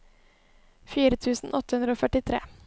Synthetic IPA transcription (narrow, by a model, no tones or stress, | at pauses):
fiːɾət̪ʰʉːsn̩ʔɔt̪ə̥hʉnd̪ɾəoːfœʈɪt̪ʰɾḛː